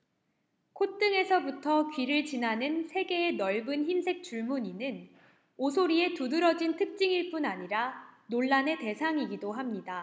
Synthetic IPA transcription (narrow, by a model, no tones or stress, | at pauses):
kʰot͈ɯŋe̞sʰʌbutʰʌkɥiɾɯɭt͡ɕinanɯnsʰe̞ɡe̞ːnʌɭbɯnçimsʰe̞k̚t͡ɕ͈uɭmuɲinɯn | osʰoɾie̞tudɯɾʌd͡ʑintʰɯk̚t͡ɕ͈iŋiɭp͈unaɲiɾanoɭːane̞te̞sʰaŋiɡidoɦamɲida